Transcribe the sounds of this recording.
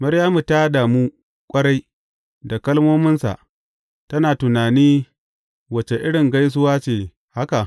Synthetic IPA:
mɐ˦ɾjaː˦mu˨taː˦daː˨mu˦ | kʷʼɐ˦ɽa˦j | da˨kɐ˦lmoː˦mɪ˦nsa̰˨ʔ | tɐ˦naː˨tʊ˨naː˨niː˦ | wɐ˨t͡ʃe˨ʔɪ˦ɽɪ˨ŋɡa˦js̬ʊ˦waː˦t͡ʃeː˨ | ha˦ka˨

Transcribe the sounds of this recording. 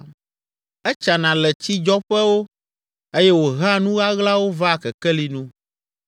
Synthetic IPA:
ɛ˦t͡ʃa˨nã˨lɛ˨t͡ɕi˦d͡ʒɔ˦ɸɛ˦wo˦ | e˦jɛ˦wo˨ɣa˦nũ˦ɣa˦ɣla˦wo˦va˦˨kɛ˨kɛ˦li˨nũ˦

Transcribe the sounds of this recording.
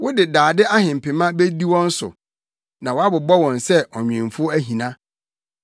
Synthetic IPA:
wʊ˦dɪ˨daː˨dɪ˦ʔa˦hɪ̃˨m̩˨pɪ˨mã˦be˦di˦wɔ̃˦n̩˦sʊ̰˨ | nã˨wɔ˨a˦bʊ˨bɔ˦wɔ̃˨nsɛ˦ʔɔ˨ɲᶣ˨ɪ̃˨mfʊ˦æ˦ɦĩ˨nã˦

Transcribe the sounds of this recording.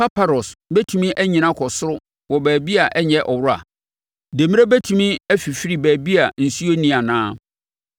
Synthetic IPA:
pa˦pʰa˨ɾɔ˨sbæ˦tʰũ˨mĩ˦ʔæ˦ɲĩ˨nã˦kʰɔ˨sʊ˦ɾʊ˦ | wɔ˨bæː˨bi˦a˨ʔɛ˦ɲɛ̃˦ʔɔ˨wɾʊ˦a̰˨ | de˨mĩ˦ɾe˦bæ˦tʰũ˨mĩ˦æ˦fi˨fi˦ɾi˨bæː˨bi˦a˨n̩˨su˦o˦nĩ˦a˨nãː˦

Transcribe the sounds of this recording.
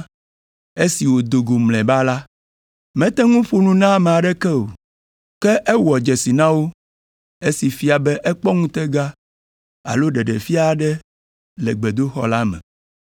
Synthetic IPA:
e˦si˨wo˨d̪o˨ɡo˨mlɛ̃˨ba˦la˦ | mɛ̃˦t̪ɛ˦ŋũ˦ɸu˦nũ˦nã˦me˨a˨ɖɛ˦kɛ˦o̰˨ | kɛ˦ʔɛ˦wɔ˨d͡ʒɛ˨si˨nã˦wo˦ | e˦si˨fi˦a˨bɛ˦ʔɛ˦k͡pɔ˦ŋũ˦t̪ɛ˦ɡa˦ | a̰˨lo˦ɖɛ˨ɖɛ˨fi˦a˦˨ɖɛ˦ | lɛ˨ɡ͡bɛ˨d̪o˦xɔ̰˦la˦mɛ̰̃˨

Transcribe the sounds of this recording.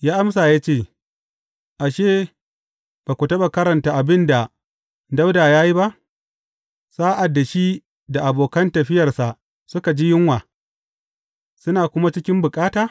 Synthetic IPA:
jaː˦ʔa˦msaː˨jaː˦t͡ʃeː˦˨ | ʔa˨ʃeː˦˨ | b̥aː˨kʷu˨tɐ˦ba˨kɐ˦ɾɐ˨nta˨ʔa˨bɪ˦nda˨ | da˦wdaː˨jaː˦ji˦ba˦ʔ | saː˦ʔa˨dːa˨ʃi˦ | da˨ʔa˨boː˨kɐ˦ntɐ˨ɸɪ˦jɐ˨rsa˨ʔ | sʊ˦ka˨d͡ʒi˦jɪ˦ŋwaː˨ | sʊ˦naː˨kʷʊ˦ma˦t͡ʃɪ˦kʲɪ˦mbʊ˨kʼaː˦taː˨

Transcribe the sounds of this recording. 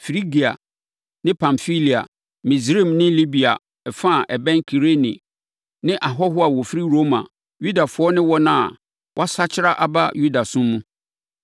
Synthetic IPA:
fɾi˦ɡi˨a̰˨ | nɪ̃˦pʰã˨mfi˦li˨a̰˨ | mĩ˨zɾi˦˨mnɪ̃˦li˦bi˨a̰˨ | ɛ˨fã˦˨ʔɛ˨bɛ̃˦ŋkʰi˨ɾe˦nĩ˨ | nɪ̃˦ʔa˨ɦɔ˦ɦʊ˦a˨wɔ˨fi˦ɾi˦ɾo˦mã̰˨ | ju˦da˨fʊ˨˦ɔ˦nɪ̃˦wɔ˦nã˦a̰˨ | wʔɔ˦sa˦t͡ɕʰɪ˦ɾa˦ʔa˨ba˦ju˦da˨sʊ̃˦mːũ˦

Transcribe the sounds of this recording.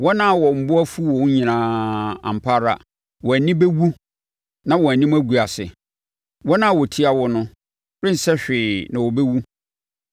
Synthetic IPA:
wɔ˦nã˦˨wɔ˨m̩˨bʊ˦a˦fu˦wɔ˨wɲĩ˨nãː˨ã̰˨m˨pʰaː˦ɾa̰˨ | wɔ˨æ˨nĩ˦be˦wu˦ | nã˦wɔ˨æ˨nĩ˦m˦æ˦ɡu˨a˨sɪ̰˨ | wɔ˦nã˦˨wɔ˨tʰi˦a˨wɔ˦nʊ̃˦ | ɾɪ̃˦n̩˨sɛ˦ɕᶣɪː˨nã˨wɔ˨bɛ˦wu˦

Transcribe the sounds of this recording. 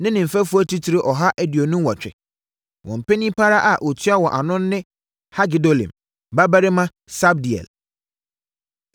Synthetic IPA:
nɪ̃˦nɪ̃˨m̩˨fæ˦fu˦ɔ˦tʰi˦tʰi˨ɾɪ˦ʔɔ˨ɦa˦ʔæ˦di˨o˨nũ˦m˦wɔ˨t͡ɕᶣɪ̰˨ | wʔɔ̃˨m̩˨pe˦nĩ˦pʰa˦ɾa˦ʔa˨ʔɔ˨tʰɥa˦wɔ˨ʔa˨nʊ̃˦nː˦ɪ̃˦ | ha˦ɡɪ˨do˦lḭ̃˨m | ba˦ba˦ɾɪ˦mã˦ | sa˦b̚di˨ɛ̰˨l

